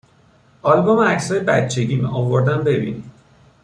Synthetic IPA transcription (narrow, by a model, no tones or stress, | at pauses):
ʔɒlbomæcsɒːjebæ̰t̪t͡ʃʰe̞ɟiːmɒvoɾd̪æmbe̞bḭni